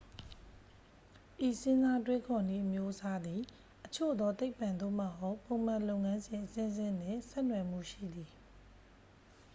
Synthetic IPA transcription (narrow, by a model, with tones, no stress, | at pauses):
ʔi˨sɪ̃˦nza˦twe˦kʰɔ˨ni˦˨ʔəmjo˦ʔəsa˦d̪i˨ | ʔət͡ɕʰo̰˦˨d̪ɔ˦t̪e˦ɪpã˨nd̪o̰˦˨mə˦ɦo˦ʊpõ˨m̥ã˨lõ˦˨ʊ̃ŋã˦nzɪ̃˨ʔəsɪ̃˦zɪ̃˦˨n̥ɪ̰̃˦˨sɛ˦ʔnwɛ˨m̥ṵ˦˨ʃḭ˦˨d̪i˨